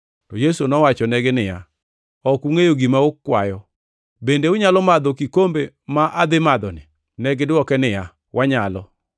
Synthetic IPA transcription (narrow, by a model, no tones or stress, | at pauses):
tɔjesonɔwat͡ʃɔnɛɡenɪja̰ | ɔkuŋejoɡimaokːwajɔ | bendeʊɲalɔmad̪ɔkikombemaʔad̪ɪmad̪ɔnɪ | nɛɡɪdɔkɛnɪja | wʔaɲalɔ̰